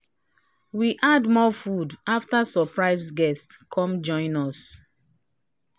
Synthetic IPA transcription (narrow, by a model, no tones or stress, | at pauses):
wiʔadmɔfudaftasɔpɹaɪsɡɛst | kʰɔ̃md͡ʒɔ̃ɪ̃nɔs